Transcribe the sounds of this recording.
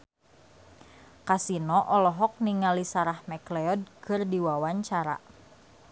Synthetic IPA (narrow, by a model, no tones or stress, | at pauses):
kasinɔʔɔlɔɦɔk̚niŋalisaɾahmɛklɛɔd̚kʰɨrdiwawaɲt͡ʃaɾa̰